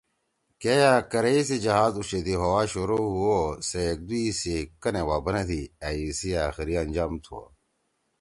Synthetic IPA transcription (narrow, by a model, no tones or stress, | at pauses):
kejaːkɐɾeis̬id͡ʑɐɦaːzuʃet̪ʰiɦowaːɕoɾoɦuosek̚d̪uisekɐnewaːbɐnet̪ʰiaːisiaːxiɾiɐnʲd͡ʑaːmt̪ʰuo̰